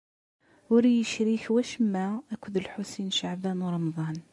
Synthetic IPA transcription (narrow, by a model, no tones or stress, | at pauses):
wəɾijəʃɾixwæʃəmːæækʷʊd̪əlħusinʃaʕbænɾˤɑmd̪ˤɑn